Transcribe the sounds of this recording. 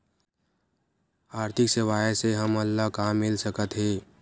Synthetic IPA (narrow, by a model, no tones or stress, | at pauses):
aːɾt̪ʰɪkseʋaːeseɦəməlːakaːmːɪlsəkət̪ɦeː